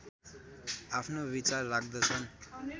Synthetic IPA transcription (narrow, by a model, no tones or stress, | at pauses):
apʰnobit͡sarːak̚d̪ʌt͡sʰʌn